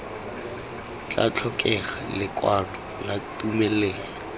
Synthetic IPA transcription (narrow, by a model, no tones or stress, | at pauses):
t͡ɬʼa̰t͡ɬʰɔkʼɛχalɪkʼwanɔ | latʼumɛleːŋɔ